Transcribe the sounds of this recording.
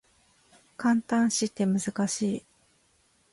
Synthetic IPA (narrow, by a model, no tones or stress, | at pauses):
kãnt̪ãɰ̃ɕit̪ːe̞mɯ̟zɨkaɕiː